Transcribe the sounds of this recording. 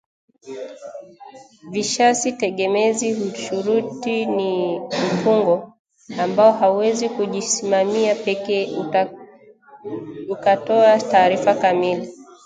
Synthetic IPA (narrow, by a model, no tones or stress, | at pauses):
viʃasitɛɠɛmɛziuʃuɾutinipuŋɡɔ | ambaɔɦauwɛzikuʄisimamiapɛkɛː | ukatɔataːɾifakamili